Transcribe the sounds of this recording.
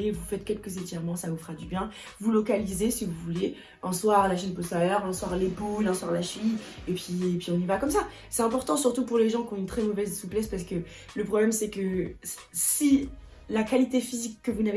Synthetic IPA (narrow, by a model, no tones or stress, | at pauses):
evufɛt̪kʲɛlkəzet̪ɛʁmɑ̃savufχad̪ybjɛ̃ | vulɔkalizesivuvule | ɛ̃swaʁlaʃɛnpɔst̪alɛʁɛ̃swaʁlebulɛ̃swaʁlaʃin | epɥiepɥiɔ̃nivakɔmsa | sɛt̪ɛ̃pɔʁt̪ɑ̃syʁt̪upuʁleʒɑ̃kʲɔ̃ynt̪χɛmɔvɛzsuplɛspaʁs̬ə̥kə | ləpχɔblɛmsɛkə | si | lakalit̪efizikːəvunave